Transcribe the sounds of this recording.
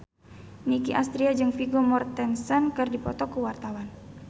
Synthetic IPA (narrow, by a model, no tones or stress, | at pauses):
nikiʔast̪ɾiad͡ʒɨŋfiɡɔmɔrt̪ɛnsɔnkɨrdipɔt̪ɔkuwart̪awan